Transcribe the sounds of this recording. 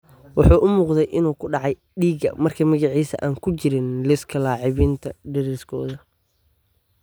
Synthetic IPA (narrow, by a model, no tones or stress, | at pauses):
wɑħuːʔʊmuːqd̪ɛjʔɪnuːkʰʊɖɑʕɑj | ɖiːɡɐ̰mɐrkʰɐmɐɣɑʕiːsɐ̰ʔaːŋkʰʊt͡ʃɪɾɪnlɪskʰɐlɑːʕɪβiːnt̪ʰɐɖɛɾɛskʰɔ̰ːðɐ